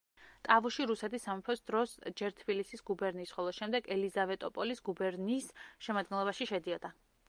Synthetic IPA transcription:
t̪ʼavuʃiɾusɛt̪ʰisːamɛpʰɔsd̪ɾɔsd͡ʒɛɾt̪ʰbilisisɡubɛɾnisχɔlˠɔʃɛmd̪ɛɡɛlizavɛt̪ʼɔpʼɔlisɡubɛɾnisʃɛmad̪̚ɡɛnlˠɔbaʃiʃɛd̪iɔd̪a

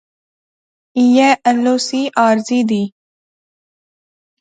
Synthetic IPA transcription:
ijɛʔəlːoːsiːʔaːɾziːd̪iː

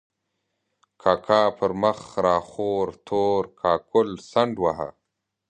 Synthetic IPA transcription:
kʰaːkʰaːpʰəɾməxɾaːxoːɾt̪ʰoːɾkʰaːkʊlsɐɳɖwaɦa̰

